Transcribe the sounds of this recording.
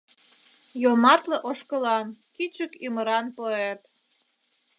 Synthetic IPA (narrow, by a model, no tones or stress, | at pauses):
jomɑrt̪lĕʔoʃkəlɑnkit͡ɕəkyməɾɑnpoet̪